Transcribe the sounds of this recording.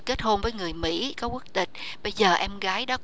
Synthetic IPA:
ke˦˥t̚ho˧nvəː˨˦jŋɨ˨˩əjmḭ˧˥kɔ˨˦ku˦˥ək̚t̪ï˨˩k̟̚ | ɓə˧jzəː˨˩ʔɛ˧mɣaː˨˦jɗɔ˨˦

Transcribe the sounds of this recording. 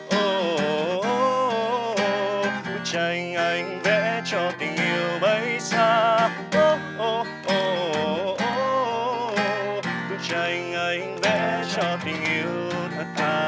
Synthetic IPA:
ʔo˧˩˨ | o˧ | k̪u˧˦t͡ɕə˨˩jŋʔə˧˩jŋ̟vɛ˧˥t͡ɕɔ˧t̪ï˨˩ŋ̟ʔi˧˨əwɓə˧˦jsaː˧ | ʔo˧ | ʔo˧˩ | ʔo˧˨˧ | k̪ɨ˨˦t͡ɕə˨˩jŋʔə˧˩jŋ̟vɛ̰˧˥t͡ɕɔ˧t̪ï˨˩ŋ̟ʔi˧˨əww | t̪ʰə˨˩t̚t̪aː˧˩

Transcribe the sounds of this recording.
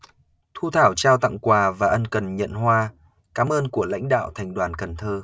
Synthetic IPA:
t̪ʰu˧t̪ʰaː˧˩wt͡ɕaː˧wt̪a̰˧˨ŋkwaː˨˩vaː˨˩ʔə˧nkə˨˩nɲə̰˧˨nɦwaː˧ | kaː˨˦mʔəː˧nku˧˩əla̰˧˥jŋ̟ɗa̰ː˧˨wt̪ʰa˨˩ŋ̟ɗwaː˨˩nkə˨˩nt̪ʰəː˧

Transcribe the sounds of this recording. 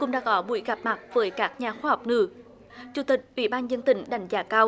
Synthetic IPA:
kʊ̰˧˥ŋ͡mɗa̰ː˧˥kɔ˨˦ɓṵ˧˩˦jɣa˨˩p̚ma˨˩k̚vəː˨˦jkaː˦˥k̚ɲaː˨˩xwaː˧ha˨˩wk͡p̚ŋɨ̰˧˨˦ | t͡ɕu˨˧˩t̪ï˨˩k̚ʔwḭ˧˩ɓaː˧nzə˧nt̪ï˨˩ŋ̟ɗa˨˧˩jŋ̟zaː˨˦kaː˧w

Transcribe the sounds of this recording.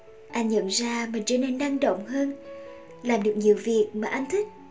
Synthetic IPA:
ʔa˧jŋɲə̰˧˨nzaː˧mï˨˩ŋ̟t͡ɕəː˧˦ne˧nːa˧ŋɗo̰˧˨wŋ͡mhəː˧n | laː˨˩mɗɨ˨˩ək̚ɲi˨˩əwvi˨˩ək̚maː˨˩ʔa˧jŋ̟t̪ʰï˦˥k̟̚

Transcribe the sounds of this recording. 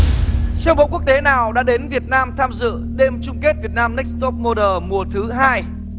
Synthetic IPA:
sɛ˧ŋ͡mɓo̰˧˨ku˦˥ək̚t̪e˨˦naː˨˩wɗa̰ː˧˥ɗe˨˦nvi˨˩ət̚naː˧mt̪ʰaː˧mzɨ̰˧˨ɗe˧mt͡ɕʊ˧ŋ͡mke˦˥t̚vi˨˩ət̚naː˧mnɛ˦˥k̚st̪o˦˥p̚mo˧ɗəː˨˩mu˨˩ət̪ʰɨ˨˦ɦaː˧j

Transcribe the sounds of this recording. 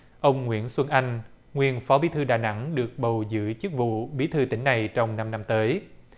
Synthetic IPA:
ʔə˧wŋ͡mŋwḭ˧˥ənswə˧nʔa˧jŋ̟ | ŋwi˧ənfɔ˨˦ɓi˨˦t̪ʰɨ˧ɗa̰ː˧˨jna̰˧˥ŋɗɨ˨˩ək̚ɓə˨˩wzɨ̰˧˥t͡ɕɨ˦˥k̚vṵ˧˨ɓi˨˦t̪ʰɨː˧t̪ḭ̈˧˩ŋ̟na˨˩jt͡ɕɔ˧wŋ͡mna˧mna˧mt̪əː˨˦j

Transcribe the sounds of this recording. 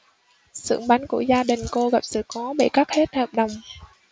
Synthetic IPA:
sɨ̰˧˩əŋɓa˨˦jŋku˧˩əzaː˧ɗï˨˩ŋ̟ko˧ɣa˨˩p̚sɨ̰˧˨kɔ˨˦ɓḛ˧˩ka˦˥k̚he˦˥t̚həː˨˩p̚ɗə˨˩wŋ͡m

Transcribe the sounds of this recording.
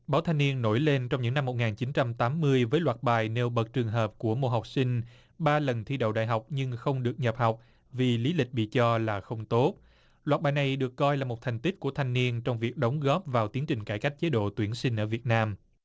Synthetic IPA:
ɓaː˨˦wt̪ʰa˧jŋni˧ənːo˧˩jle˧nt͡ɕɔ˧wŋ͡mɲɨ̰˧˥ŋna˧mːo˨˩t̚ŋaː˨˩nt͡ɕi˨˦nt͡ɕa˧mt̪aː˨˦mːɨ˧əjvəː˨˦jlwaː˨˩t̚ɓaː˨˩jne˧wɓə˨˩t̚t͡ɕɨ˨˩əŋɦəː˨˩p̚ku˧˩əmo̰˧˨ɦa˨˩wk͡p̚sï˧ŋ̟ | ɓaː˧lə˨˩nt̪ʰi˧ɗə̰˧˨wɗa̰ː˧˨jɦa˨˩wk͡p̚ɲɨ˧ŋxə˧wŋ͡mɗɨ˨˩ək̚ɲə˨˩p̚ha˨˩wk͡p̚ | vi˨˩li˨˦lï˨˩k̟̚ɓḭ˧˨t͡ɕɔ˧laː˨˩xə˧wŋ͡mt̪o˦˥t̚ | lwaː˨˩t̚ɓaː˨jna˨˩jɗɨ˨˩əkːɔ˧jlaː˨˩mo˨˩t̚t̪ʰjŋ̟t̪i˦˥k̚ku˧˩ət̪ʰa˧jŋni˧ənt͡ɕɔ˧wŋ͡mvi˨˩ək̚ɗə˨˦wŋ͡mɣɔ˦˥p̚vaː˨˩wt̪i˨˦əŋt͡ɕï˨˩ŋ̟kaː˧˩jka˦˥k̚t͡ɕe˨˦ɗo̰˧˨t̪wi˧˩ənsï˧ŋ̟ʔəː˧˩vi˨˩ət̚naː˧m

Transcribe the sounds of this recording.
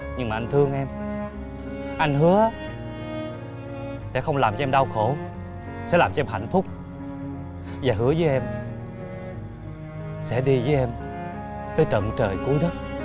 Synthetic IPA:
ɲɨ˧ŋmaː˨ʔŋt̪ʰɨ˧əŋʔɛ˧m | ʔa˧jŋ̟ɦɨ˨˦əʔaː˨˦ | sɛ̰˧˥xə˧wŋ͡mlaː˨˩mt͡ɕɔ˧ɛ˧mɗa˧wxo˧˩ | sɛ̰˧˥laː˨˩mt͡ɕɔ˧ɛ˧mɦha̰˧˨jŋ̟fʊ˦˥k͡p̚ | vaː˨˩ɦɨ˨˦˥əzəː˨˦jʔɛ˧m | sɛ̰˧˥ɗi˧vəː˨˦jʔɛ˧m | t̪əː˨˦jt͡ɕə̰˧˨nt͡ɕəː˨˩jku˨˦əjɗə˦˥t̚

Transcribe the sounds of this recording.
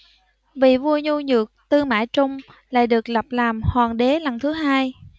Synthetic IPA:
vḭ˧˨vu˧əɲu˧ɲɨ˨˩ək̚t̪ɨ˧əŋma̰ː˧˨jt͡ɕʊ˧wŋ͡m | la̰ː˧˨jɗɨ˨˩ək̚lə˨˩p̚laː˨˩mhwaː˨˩ŋɗe˨˦la˨˩nt̪ʰɨ˨˦ɦaː˧j

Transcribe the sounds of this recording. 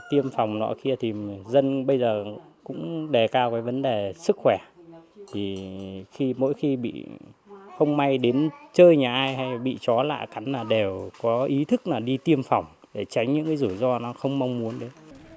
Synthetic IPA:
t̪i˧əmfa˨˩wŋ͡mnɔ̰˧˦ki˧ət̪ʰi˨˩zə˧nɓə˧jzəː˨˩ | kʊ̰˧˥ŋ͡mɗe˨˩kaː˧wkaː˨˦jvə˨˦nɗe˨˩sɨ˦˥k̚xwɛ˧˩t̪ʰi˨˩xi˧mo̰˧˥jxi˧ɓḭ˧˨ | xə˧wŋ͡mma˧jɗe˨˦nt͡ɕəː˧jɲaː˨˩ʔaː˧jɦa˧jɓḭ˧˨t͡ɕɔ˨˦la̰ː˧˨jka˨˦ŋ̟laː˨˩ɗe˨˩wkɔ˨˦ʔi˨˦t̪ʰɨ˦˥k̚naː˨˩wɗi˧t̪i˧əmfɔ˨˩wŋ͡m | ɗe˧˩t͡ɕa˨˦jŋ̟ɲɨ̰˧˥ŋkaː˨˦zu˧˩zɔ˧nɔ˨˦xə˧wŋ͡mma˧wŋ͡mmu˨˦ənɗe˨˦n

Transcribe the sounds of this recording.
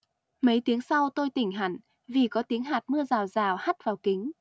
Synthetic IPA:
mə˨˦jt̪i˨˦əŋsa˧wt̪o˧jt̪ï˧˩ŋ̟ɦa˧˩ŋ | vi˨˩kɔ˨˦t̪i˨˦əŋɦaː˨˩t̚mɨ˧əzaː˨˩wzaː˨˩wha˦˥t̚vaː˨˩wkï˨˦ŋ̟

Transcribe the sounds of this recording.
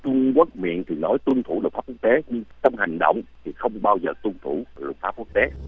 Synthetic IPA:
t͡ɕʊ˧ŋ͡mkwu˦˥ək̚mḭ˧˨ənt̪ʰi˨˩nɔ˨˦jt̪wɨ˧nt̪ʰu˧˩ɗfaː˦p̚k̚u˦˥k̚t̪e˨˦ɲɨ˧ŋt͡ɕə˧wŋ͡mɦa˨˩jŋ̟ɗo̰˧˨wŋ͡mt̪ʰi˨˩xə˧wŋ͡mɓaː˧wzəː˨˩t̪wɨ˧ənt̪ʰu˧˩˨lɨ̰˨˩k̚faː˦˥p̚ku˦˥k̚t̪e˨˦

